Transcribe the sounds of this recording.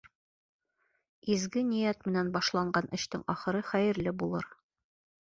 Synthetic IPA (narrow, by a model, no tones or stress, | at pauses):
izɡɘnĭjæt̪mɘ̆nænbɑʃlˠɑɴɢɑnʔɘ̆ɕt̪ɘŋɒχɤ̆ɾɤχæjɘ̆ɾlɘbulˠɤ̰ɾ